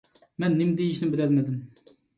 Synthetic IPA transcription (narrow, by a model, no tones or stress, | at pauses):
mɛnːɪmd̪ejiʃnɪmbɪlɛlmed̪ɪm